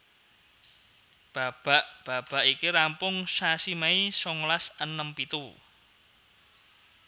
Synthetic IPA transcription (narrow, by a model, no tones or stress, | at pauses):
b̥a̤b̥a̤ʔb̥a̤b̥a̤ʔikiɾampʊŋsasimaisɔŋlasənəmpit̪u